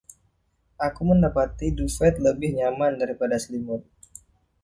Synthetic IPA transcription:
ʔakuməndapat̪idufɛt̪̚ləbɪhɲamandaɾipadaslimʊn

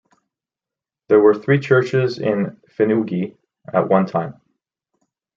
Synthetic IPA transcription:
ðə˞wə˞θɹit͡ʃʰɜ˞t͡ʃɪzɪ̃nfɨnuɡi | ə̰ʔ̚wʌ̃ntʰãɪ̃m

